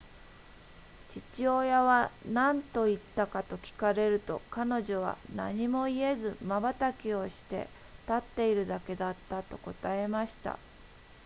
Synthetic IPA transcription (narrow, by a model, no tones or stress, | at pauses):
t͡ɕit͡ɕio̞jaβanãnt̪o̞it̪ːakat̪o̞kʲi̥kaɾe̞ɾɯ̟t̪o̞̰kano̞ʑo̞βa̰na̰ɲ̟imo̞ie̞zɨmabat̪akʲio̞ɕi̥t̪e̞̰ | t̪at̪ːe̞iɾɯ̟d̪ake̞d̪at̪ːat̪o̞ko̞t̪ae̞maɕi̥t̪a̰